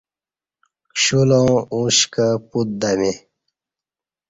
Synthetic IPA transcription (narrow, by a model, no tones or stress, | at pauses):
ɕulõːũɕkəput̪̚d̪ɐme